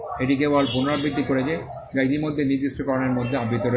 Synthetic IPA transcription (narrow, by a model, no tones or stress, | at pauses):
eʈikebalpunoɾabʱid̪ʱːikoɾed͡ʑe | d͡ʑait̪imod̪ʱːeniɾd̪ːiʃʈokɔɾoneɾmod̪ʱːeabit̪oɾo